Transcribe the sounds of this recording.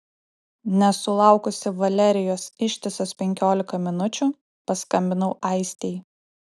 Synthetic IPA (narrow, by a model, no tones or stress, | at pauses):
nʲɛsʊlˠɑˑʊkʊsʲɪʋɐlʲɛɾʲɪjoːsɪʃʲt̪ʲɪsospʲɛŋʲkʲoːlʲɪkɐmʲɪnʊt͡ʃʲu | pɐskɐmʲbʲɪnɐʊʔɑɪsʲt̪ʲɛj